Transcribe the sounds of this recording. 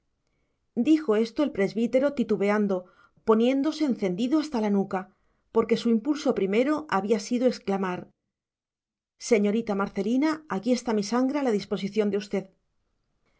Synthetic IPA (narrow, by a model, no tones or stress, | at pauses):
d̪ixo̞e̞st̪o̞elpɾe̞zβit̪e̞ɾo̞t̪it̪uβe̞and̪o̞ | po̞njẽ̞nd̪o̞se̞ːn̟θe̞nd̪iðoast̪alanuka | po̞ɾke̞suimpulso̞pɾime̞ɾo̞ʔaβiasiðoe̞sklamaɾ | se̞ɲo̞ɾit̪amaɾθe̞linaakie̞st̪amisaŋɡɾealaðispo̞siθjo̞nd̪e̞ust̪e̞ð